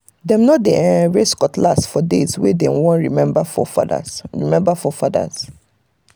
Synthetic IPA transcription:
dɛ̃mnɔt̚deʔɛ̃ɹeskɔtʰlasfɔdezwedɛ̃nwɔ̃nɹimɛ̃bafɔ̰fa̰da̰ɹḭmɛ̃mbafɔfada̰z

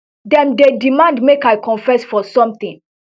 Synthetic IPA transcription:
dɛ̃ndedimãndmekajkʰɔ̃nfɛsfɔsɔ̃mt̪ĩn

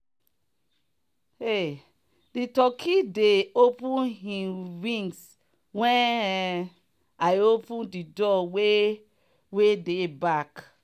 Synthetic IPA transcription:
e | ditɔkʰideopũnɦĩɹĩŋɡs | wɛ̃n | aɪopũndidɔwe | wedebak

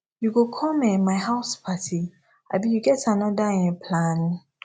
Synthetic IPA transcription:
juɡokʰɔmɛ̃maɪɦaʊspʰatʰi | a̰bijuɡɛtanɔdaɛ̃pʰlãn

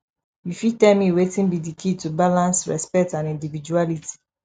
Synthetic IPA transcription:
wifitɛlmiwetĩnbidikʰitubalãnsɹɛ̰spɛk̚tãnĩndivid͡ʒualitʰi̥

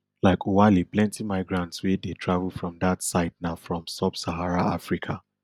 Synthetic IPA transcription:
laɪkʰowaliplɛ̃ntimaɪɡɹãntswedetʰɹavəlˠfɹɔ̃mdatsaɪdnaʊfɹɔ̃msabsaɦaɹaafɹikʰa

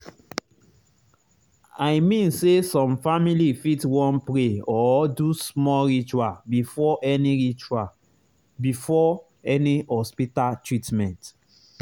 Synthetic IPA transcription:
ajmĩnsesɔ̃mfamilifitwɔ̃npɹeɔdusmɔɹit͡ʃuabifɔʔɛniɹit͡ʃua | bifɔ | ɛnihɔspitaltɹitmɛ̃nt

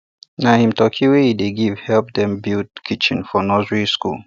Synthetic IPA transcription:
nahĩmtɔkʰiwehideɡivhɛlp̚dɛ̃mbild̚kʰit͡ʃɪ̃nfɔnɔzɹiskṵl

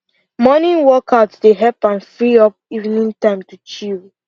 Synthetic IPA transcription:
mɔnĩwɔkʰaʊtdeɦɛpãnfɹiɔp̚iṽnĩntãɪ̃mtut͡ʃiɹi

